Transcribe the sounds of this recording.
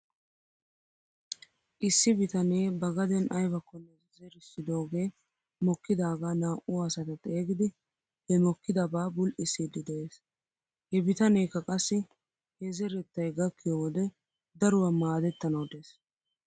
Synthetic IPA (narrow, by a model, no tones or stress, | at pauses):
ʔɪsːɪbɪt̪ɐneːbɐɡɐd̪ɛnʔɐjbɐkːɔnːɛ | zɛɾɪsːɪd̪o̞ːɡeː | mɔkːɪd̪aːɡaːnaːʔʊɐsɐt̪ɐt̪ʼe̞ːɡɪd̪ɪ | hɛmɔkːɪd̪ɐbaːbʊlʔɪsid̪ːɪd̪ɛʔeːs | hɛbɪt̪ɐneːkːɐkʼɐsːɪ | hɛzɛɾɛt̪ːɐjɡɐkʰːɪjoːd̪ɛ | d̪ɐɾʊwɐmaːd̪ɛt̪ːɐnɐwd̪e̞ːs